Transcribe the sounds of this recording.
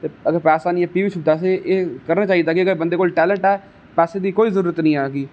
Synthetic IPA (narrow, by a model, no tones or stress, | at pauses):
t̪eːəɡəɾpɛːsaːnĩːɛːpiːʋɪt͡ʃʰʊd̪aːs̬eʔeːkəɾnaːt͡ʃaːid̪aːkɪəɡəɾbə̃nd̪eːkoːlʈɛːləɳʈɛː | pɛːseːd̪iːkoːiːzəɾuːɾət̪nəĩːaːɡiː